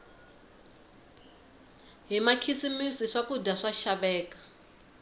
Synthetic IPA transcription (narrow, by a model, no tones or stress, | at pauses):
ɦimakʰisimisiʂakudaʂaʃaɓɛːkḁ